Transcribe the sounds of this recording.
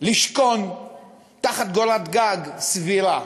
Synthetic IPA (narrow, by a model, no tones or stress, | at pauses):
liʃkon | t̪aχat̪̚ɡolat̪ɡaɡsviɾa